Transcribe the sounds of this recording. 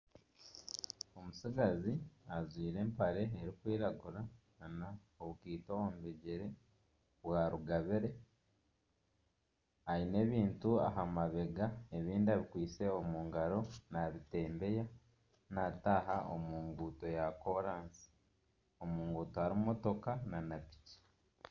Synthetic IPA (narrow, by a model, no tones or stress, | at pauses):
o̞musiɡaziazwiːɾe̞ːmpaɾe̞ːɾikwiːɾaɡuɾa | na | oβukiːtoombeɟeɾe̞ | βwaɾuɡaβeɾe̞ | aine̞ːβiːntua̰ɦamaβe̞ɡae̞βiːndiaβikwiːt͡se̞omuːŋɡaɾo̞naβite̞ːmbe̞ja | nataːɦao̰muːŋɡuːto̞jako̞ɾaːnsi̥ | o̞muːŋɡuːtoaɾimmo̞to̞kananapi̥ci̥